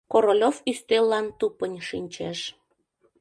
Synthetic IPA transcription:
koɾolʲofyst̪elːɑnt̪upənʲʃinʲt͡ɕeʃ

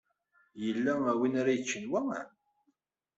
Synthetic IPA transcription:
jəlːææwinaɾajət͡ʃːənwæ̰

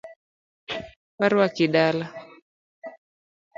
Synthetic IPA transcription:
waɾwakiɗala

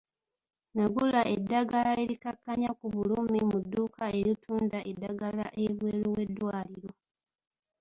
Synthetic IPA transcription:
naɡulaʔe̞dːaɡalae̞ɾikakːaɲakuβulumimudːuːkae̞ɾitʰuːndaʔe̞dːaɡala̰ʔeβwe̞ːlowe̞dːwaːliɾo̞

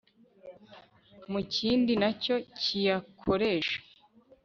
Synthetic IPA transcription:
muciːndinaco̞cʰijakʰo̞ɾe̞ʃḁ

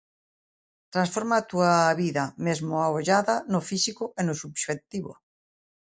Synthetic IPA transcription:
t̪ɾansfoɾmat̪uaβiðamezmoaoʎaðanofisikoʔenosubʃet̪iβo̰

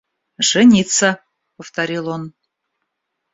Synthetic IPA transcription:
ʐ̥ɨnʲit̪sə | pəft̪aɾʲilˠon

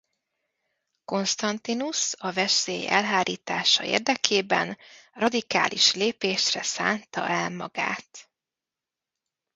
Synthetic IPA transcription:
ko̞nst̪ɒnt̪inusɒvɛsḛːjɛ̰lɦaːɾʔiːt̪aːʃɒḛːrd̪ɛkʰeːbɛ̰nrɒd̪ika̰ːlʔiʃleːpeːʃrɛsaːnt̪ɒ̰ʔɛlmɒɡa̰ːt̪

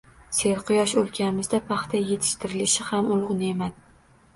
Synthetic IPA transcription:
se̞ɾqʰʊjɒʃolˠkʲʰanɪmɪzd̪apʰɑχt̪ʰaje̞t̪ʰɪ̥ʃt̪ʰɪɾɪlɪʃɪhamʊlˠʊʁnemad̪

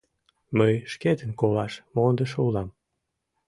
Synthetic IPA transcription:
məjʃket̪ənkolɑʃmond̪əʃulɑm

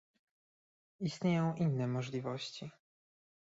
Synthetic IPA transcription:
ist̪ɲejɔ̃w̃ʔinːɛmɔʐlʲivɔɕt͡ɕi

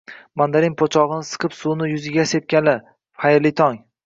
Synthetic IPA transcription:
mand̪aɾɪnpʰot͡ʃʰɒʁɨnɪsɨ̥qʰɨpsunɪjʊzɪɡʲasep̚kʲalɪ | χajɾlɪt̪ʰɒŋ

